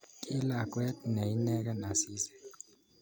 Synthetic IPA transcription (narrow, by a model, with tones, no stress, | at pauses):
kʼi˦la˨k̬ʼwɛ˦tne˨i˦nɛ˦k̬ɛ˦na˨siː˦zɛ̥˨